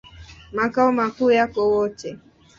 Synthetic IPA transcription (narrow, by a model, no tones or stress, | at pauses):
makaɔmakʊjakowɔt͡ʃe